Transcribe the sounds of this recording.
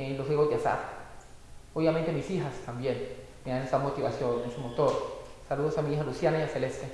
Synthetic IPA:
eloseɣot̪jasa̰ɾ | oβjamẽnt̪emisixast̪ambjen | meanesamot̪iβa̰sjonensumot̪oɾsaluðosamiixalusjanajaselest̪e

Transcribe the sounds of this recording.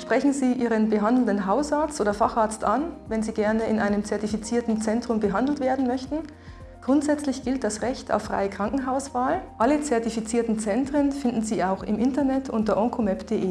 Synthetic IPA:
ʃpʁ̥ɛçn̩ziːʔiːʁənbəɦandl̩ndənɦaʊsaɐt͡stʔoːdɐfaχaɐt͡stʔanvɛnziːɡɛɐnəɪnʔaɪnəmt͡sɛɐtifit͡siːɐtn̩t͡sɛntʁ̥ʊmbəɦandl̩tv̥eːɐdn̩mœçtn̩ | ɡ̥ʁʊntz̥ɛt͡slɪçɡ̥ɪlt̚d̥asʁɛçta̰ʊfʁ̥a̰ɪəkʁ̥aŋkŋ̩ɦaʊsv̥aːlʔalət͡sɛɐtifit͡siːɐtn̩t͡sɛntʁ̥ənfɪndn̩ziːʔaʊxɪmʔɪntɐnɛtʰʔʊntɐʔɔŋkʰomɛpd̥eːʔeː

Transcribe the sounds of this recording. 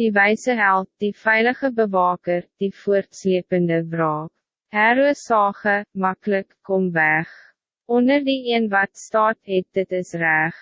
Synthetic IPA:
d̥ivɛjsəɦælˠt̚difɛjləχəbəvɑːkərd̥ifuərtsliəpəndəbrɑːk | hæɾuəsɑːχəmɐkləkːɔmvæχ | ʔɔndərdiiənvɐtstɑːtɦɛt̚dətəsræχ

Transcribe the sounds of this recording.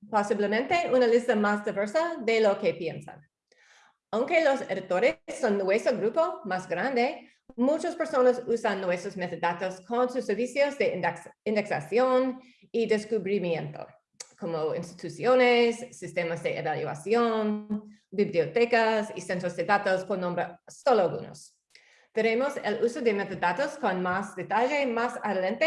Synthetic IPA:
posiβlemẽnt̪e̞unalist̪ɐmasd̪iβeɾsaðelokepjḛnsa̰n | aw̃ŋke̞losḛɾðit̪oɾesːonːwesoɡɾupomasɡɾand̪e | mut͡ʃospeɾsonosusanːwest̪ɾosmet̪edat̪oskonsusːeɾβisjozðeĩnd̪eksa̰sjon | id̪eskuβɾimjẽnt̪o̰ | komoḭ̃nst̪i̥t̪usjonesːist̪emazd̪eʔeβaljua̰sjon | bibliot̪ekasḭsent̪ɾozd̪edat̪oskonːõmbɾesoloaɡṵno̰s | t̪eɾemosḛlusod̪emet̪od̪at̪oskonmasd̪et̪aʒemasaðelẽnt̪e

